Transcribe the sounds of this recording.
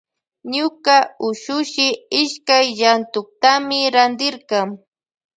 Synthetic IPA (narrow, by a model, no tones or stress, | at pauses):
ɲʊkaʊʃʊʃɪɪʃkajʎant̪ʊk̚t̪amɪɾand̪ɪɾkɑŋ